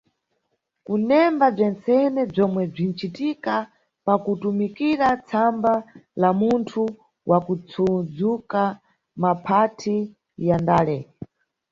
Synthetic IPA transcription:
kunɛmbab͡ʐɛnt͡sɛnɛb͡ʐɔmwɛb͡ʐin̩t͡ʃitika | pakutumikiɾat͡sʰambalamuntʰu | wʔakut͡sʰud͡zuka | mapʰatʰi | jandaːlɛ

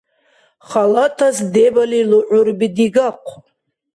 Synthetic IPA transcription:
χalatʰazdebaliluʔʷʊrbidiɡaqʷʰ

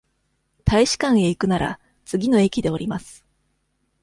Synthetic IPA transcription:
t̪aiɕi̥kãɰ̃e̞ikɯ̟naɾʔa̰ | t͡sɨɡʲino̞e̞kʲid̪e̞o̞ɾʲimasɨ̥

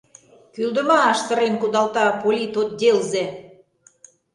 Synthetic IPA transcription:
kyld̪ə̆mɑːʃsə̆ɾenkud̪ɑlt̪ɑpolʲit̪ot̪̚d̪ʲelze

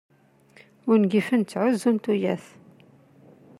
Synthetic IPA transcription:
ʊɾnɡifənt͡sːʕʊzːunt̪ujæθ

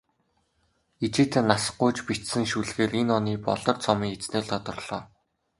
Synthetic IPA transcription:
it͡ɕɪ̆t̪ːnasə̆qːʊjt͡ɕpit͡ɕsɘ̆ŋʃuɮɣeːrenɔniːpɔ̰ɮɞ̆rt͡sʰɔmiːŋet͡sneːɮt̪ʰɔt̪ɞ̆rɮ̥ɔː

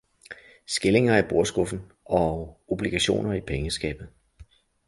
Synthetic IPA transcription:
sɡ̥e̝le̝ŋɐib̥o̝ɐsɡ̥ɔ̽fn̩ | ɒ̽ob̥liɡ̥æɕo̝̰ːnɐipʰeŋəsɡ̥ɛ̰ːb̥ð̩ˠ

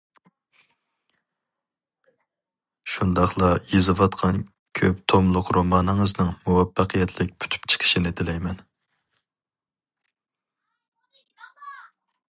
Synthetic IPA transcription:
ʃund̪ɑχlˠɑjezɨvɑt̪qʰɑn | kʲʰøpt̪ʰomlˠʊqɾomɑːnɨŋɨznɨŋmuwɑpːæqʰəjɛt̪ʰlɪk̚ʲpʰy̥t̪ʰy̥pt͡ʃʰə̥qʰə̥ʃinɪd̪ɪlɛjmɛn

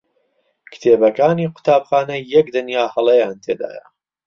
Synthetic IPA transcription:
kɨ̥t̪ʰeːbɐkaːniːqʊ̥t̪ʰaːbxaːnɐjɛkd̪ɨnjaːhɐlˠɐjaːnt̪ʰeːd̪a̰ːjɐ̰

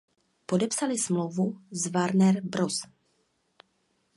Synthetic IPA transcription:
po̞dɛpsalɪsmlowvuzvaɾnɛɾbɾos

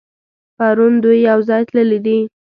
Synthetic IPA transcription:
paɾund̪ujːawzɑjt̪ləlid̪i

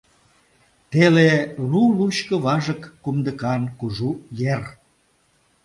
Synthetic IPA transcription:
t̪eleluluɕkə̆βɑʒəkːumd̪əkɑnkuʒujer

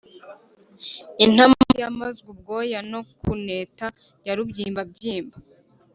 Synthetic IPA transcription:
in̥amjamazɡub̚ɡoːjano̞kuneːta | jaɾubɟiːmbab̚ɟiːmba

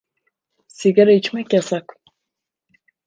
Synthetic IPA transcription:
siɡaɾet͡ʃmɛkʲjasak

